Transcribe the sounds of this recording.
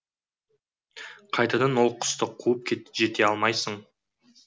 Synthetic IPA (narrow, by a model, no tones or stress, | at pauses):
qʰɑjt̪ɑd̪ɑnwolˠqʰʊ̥st̪əqʰuəp̚kʲʰeʒe̞t̪e̞ɑlˠmɑjsəɴ